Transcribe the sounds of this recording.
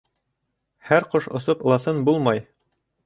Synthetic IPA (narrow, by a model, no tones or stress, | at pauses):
hæɾqoʃŏsopɤ̆lˠɑsɤnbulˠmɑj